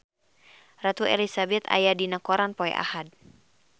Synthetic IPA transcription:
rat̪uɛ̰lisabɛt̪a̰jadinakɔɾanpɔɛ̰ʔa̰had̚

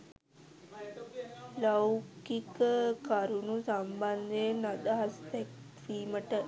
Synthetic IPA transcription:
lawkikəkaɾunusamband̪ejenad̪əɦast̪ɛk̚ | fiːməʈə

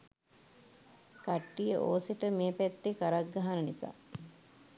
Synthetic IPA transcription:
kaʈːijəʔoːseʈəmeːpɛt̪ːekaɾaɡ̚ɡaɦanənisa̰ː

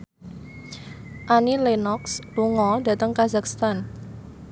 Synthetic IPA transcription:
ʔanilenɔksluŋɔdä̤t̪əŋkazakst̪an

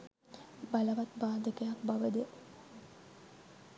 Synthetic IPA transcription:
baləʋat̪baːd̪əkəjak̚baʋəd̪ə

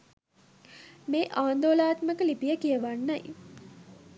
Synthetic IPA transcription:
meːʔaːnd̪oːlaːt̪məkəlipijəkijəʋanːaj

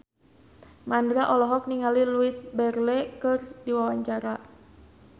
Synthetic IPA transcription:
mandɾaʔɔlɔɦɔk̚niŋaliluɪsbɛrlɛkɨrdiwawaɲt͡ʃaɾa

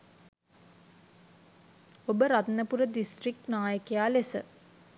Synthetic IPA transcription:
obəɾat̪nəpuɾəd̪isʈrik̚naːjəkejaːlesə̰

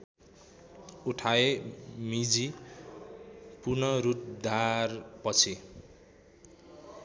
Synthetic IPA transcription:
uʈʰaemid͡zi | purnʌɾut̪̚d̪arpʌt͡sʰi

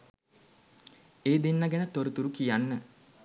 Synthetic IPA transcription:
eːd̪enːaɡenət̪oɾut̪uɾukijanːə

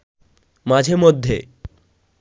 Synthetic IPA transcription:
mad͡ʑʱemɔd̪ʱːje

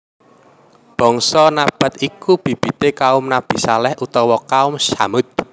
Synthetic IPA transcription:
b̥ɔ̤ŋsɔnab̥a̤t̪ikub̥i̤b̥i̤t̪ekaʊmnab̥i̤salɛhʔut̪ɔwɔkaʊmsamʊt̪̚

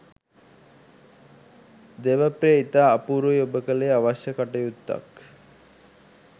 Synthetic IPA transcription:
d̪eʋəpɾeːit̪aːpuɾujobəkəleaʋaʃjəkaʈəjut̪ːa̰k

